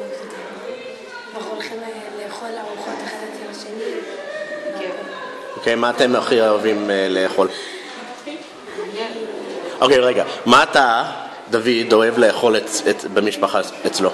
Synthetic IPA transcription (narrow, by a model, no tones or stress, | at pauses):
naχolχim | leːχolaʁuχot̪aχadet̪elaʃeni | ke | okejmaːte̞maχioavimle̞ːχo̞l | ʔokejʁeɡamat̪a | d̪avid̪o̞e̞vleːχo̞leebemiʃpaχa | et͡slo